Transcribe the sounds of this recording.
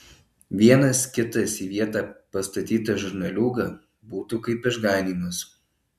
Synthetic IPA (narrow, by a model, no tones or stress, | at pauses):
ʋʲiɛnɐskʲɪt̪ɐsiːʋʲiɛt̪ɑːpɐst̪ɐt̪ʲiːt̪ɐʒʊɾnɐlʲuːɡɐ | buːt̪ukɐɪpɪʒɡɑˑɪnʲiːmʊs